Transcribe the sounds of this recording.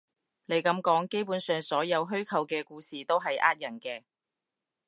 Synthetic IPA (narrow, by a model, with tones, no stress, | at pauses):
ne˨˧jkɐ˨˧˥mkɔː˨˥ŋke˥jpuː˨˥nsœː˨ŋsɔː˨˥jɐ˨˧wɦɵ˥ɥkʰɐ˨˧wkɛː˧kuː˧siː˨t̪o˥wɦɐ˨jʔa̰ː˥t̚jɐ˨˩nkɛː˧